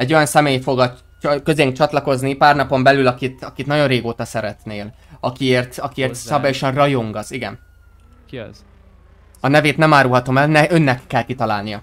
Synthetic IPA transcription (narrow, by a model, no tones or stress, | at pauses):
ɛɟːo̞jɒnsɛmeːjfo̞ɡɒ | køzeŋkt͡ʃɒt̪lɒko̞znipaːrnɒpo̞mbɛlylɒkit̪ɒkit̪nɒɟo̞rreːɡoːt̪ɒsɛɾɛt̪neːl | ɒkieːrt̪ɒkieːrssɒbaːjo̞ʃɒnrɒjoŋɡɒziɡɛn | kz | ɒnɛveːt̪nɛmaːɾulɦɒt̪o̞mɛlnɛʔø̞nːɛkːɛlkit̪ɒla̰ːlnijɒ